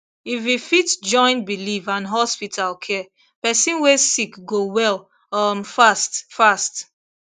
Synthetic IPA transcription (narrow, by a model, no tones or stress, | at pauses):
ifwifitd͡ʒɔ̃ɪ̃nbilivãnɦɔspitʰalkʰɛ | pɛsĩnwesikɡowɛl | ʌmfastfast